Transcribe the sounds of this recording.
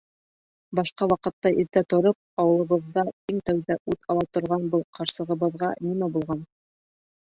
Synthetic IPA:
bɑʃqɑwɑqɤ̆t̪ːɑʔiɾt̪æt̪ŏɾɤp̚ɑwɤ̆lˠɤ̆βɤ̆ðːɑiŋt̪æwðæʔʉt̪ɑlˠɑt̪ŏɾʁɑnbɤlˠqʰɑɾsɤ̆ʁɤ̆βɤ̆ðʁɑnimæbulˠʁɑn

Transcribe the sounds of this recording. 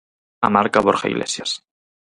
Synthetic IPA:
a̰maɾkaβoɾxaḭɣlʔḛsjas

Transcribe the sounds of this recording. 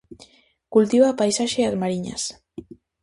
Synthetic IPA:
kult̪iβapajsaʃeazmaɾiɲa̰s

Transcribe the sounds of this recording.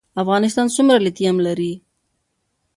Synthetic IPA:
afɣɑnɪs̬t̪ɑnsʊmɾalɪt̪iamlaɾi

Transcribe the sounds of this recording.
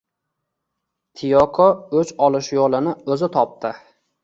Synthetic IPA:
t̪ʰɪjɒqʰɒɵt͡ʃɒlˠɪʃjolˠɪnɪɵzɪt̪ʰɒp̚t̪ʰɪ

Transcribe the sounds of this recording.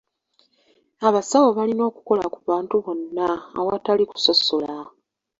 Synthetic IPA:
aβasawo̞βalino̞ːku̥ko̞lakuβaːntuβo̞nːa̰ːwataliku̥so̞sola

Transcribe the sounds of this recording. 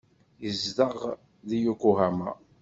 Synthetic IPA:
jəzdəʁ | ðijukuɦæma̰

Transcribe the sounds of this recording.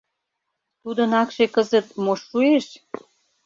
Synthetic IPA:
t̪ud̪ə̆nɑkʃekəzə̆t̪̚moʃːueʃ

